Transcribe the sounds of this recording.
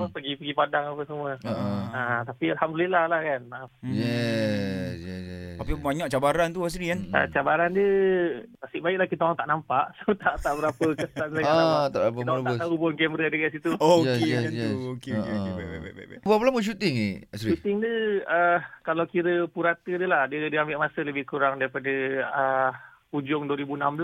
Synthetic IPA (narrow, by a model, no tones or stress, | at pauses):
apəɡipəɡipadaŋapəsəmuəaat̪apialhamdulilahlahkanajɛ | sjɛjɛɛt̪apibaɲaʔt͡ʃabaɾant̪uas̬ɾikanə̰t͡ʃabaɾandə | ast̪iʔbaɪʔlahkit̪aaŋt̪aʔnampaʔsəət̪aʔt̪aʔbəɾapəkəsansajat̪a̰ʔaəimaub̪əaubʊnkɛməɾədəɡansit̪uojɛksɛsjɛsoke | bpəlaməʃ̬ut̪ɪŋeasɾiʃut̪ɪŋdəəkalawkiɾəpuɾat̪ədəlahdədiəambɪʔmasələbɪhkuɾaŋdaɾipadəə | pud͡ʒʊŋduəɾibunambəla